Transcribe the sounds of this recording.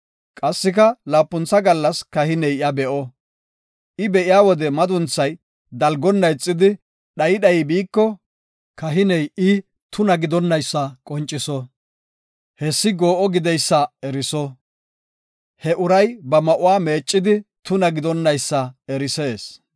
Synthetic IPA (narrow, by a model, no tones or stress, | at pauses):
kʼɐsːɪkɐlaːpːʊnt͡sːɐɡɐlːɐskɐhɪnɛjɪɐbɛʔɔ | ʔɪbɛʔɪjaːwɔd̪ɛmɐd̪ʊnt͡sːɐj | d̪ɐlɡɔnːɐjt͡sʼːɪd̪ɪ | ɗɐjɪɗɐjɪbiːkːɔ | kɐɦɪnɛjʔɪ | t̪ʊnɐɡɪd̪ɔnːɐjsːɐkʼɔnt͡ʃʼːɪsɔ | hɛsːɪɡoːʔɔɡɪd̪ɛjsːɐɛɾɪsɔ | hɛʔʊɾɐjbɐmɐʔʊwaːme̞ːt͡ʃʼːɪd̪ɪt̪ʊnɐɡɪd̪ɔnːɐjsːɐɛɾɪseːs